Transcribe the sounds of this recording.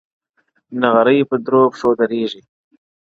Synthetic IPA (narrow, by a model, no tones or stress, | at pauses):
naɣaɾəjpəd̪ɾobsod̪aɾeʒi